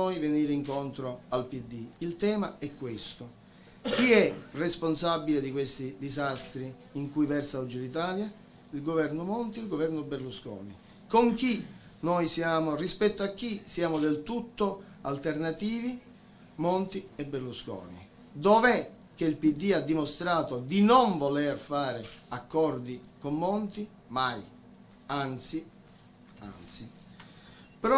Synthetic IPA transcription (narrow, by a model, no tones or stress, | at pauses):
ojveniːɾiŋkont̪ɾoalpid̪ːiilt̪ɛːmaɛkːwest̪o | k̟iɛresponsabiled̪ikwest̪id̪izast̪ɾiː | ŋkujvɛrsaɔd͡ʒilit̪aːlja | ilɡovɛrnomont̪iilɡovɛrnoberluskɔ̰ːnḭ | koŋk̟i | nojsjaːmorispɛt̪ːoakːisjaːmod̪elt̪ut̪ːo | alt̪ernat̪iːvi | mont̪iebːerluskɔ̰ːnḭ | d̪ovɛ | k̟eilpid̪ːiad̪ːimost̪ɾaːt̪od̪inoɱvolerfaːɾɪakːɔrd̪ikomːɔnt̪i | maj | ant̪si | a̰nt̪si | pɾ